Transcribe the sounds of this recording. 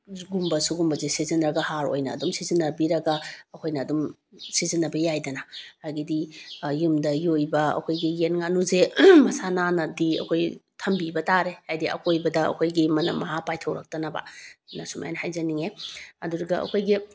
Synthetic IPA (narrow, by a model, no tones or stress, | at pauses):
ɡumbɐsuɡumbɐzesizinɾɐɡɐhaɾo̰jnɐ̰ːdumsizinːɐbiɾɐɡɐɐkʰojnɐːdum | sizinːɐbɐjajdɐnɐhajɡidijumdɐjojbɐɐ̰kʰojɡijenŋanuzemɐsananɐdiɐ̰kʰojtʰɐmbibɐtaɾehajdiɐ̰kʰojbɐdɐɐ̰kʰojɡimɐnɐ̰mːɐɦapajtʰɐwɾɐk̚tɐnɐbɐ̰nɐsuma̰janɐhajzɐniŋeɐduɾɐɡɐɐ̰kʰojɡi